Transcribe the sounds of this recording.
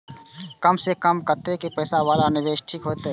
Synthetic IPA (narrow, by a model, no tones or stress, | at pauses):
kəmsekəmkəɾt̪eɛkipəɪsaʋaːlanɪʋeːʃʈʰiːkɦoːt̪eɦɛ